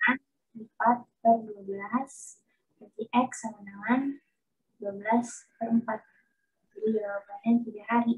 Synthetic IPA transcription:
an | lipat̪̚ːərduabəlas | bat̪iʔɛksamanawan | duabəlaspəɾəmpat̪̚ | d͡ʒadid͡ʒabawabanɛnt̪iɡahaɾi

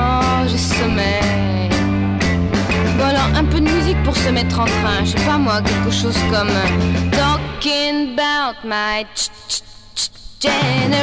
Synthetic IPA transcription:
ʒəsɔmɛ | vwalãʔɛ̃pød̪əmyzik̚puʁsəmɛt̪χɑ̃kɛ̃ʃɛpamwakʲɛlkəʃozkɔmt̪ɔkiŋbat̪maj | ʒ̥ɛne

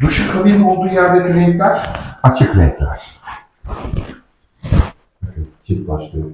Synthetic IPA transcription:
d̪uʃɯkʰabilʲo̞lˠd̪uːjæɾlʲeɾiɾek̪lʲæɾ̥at͡ʃʰɯkɾɛ̰t̪lʲæ̰ɾ̥ | akɯt͡ʃʰibaʃlˠɯjo

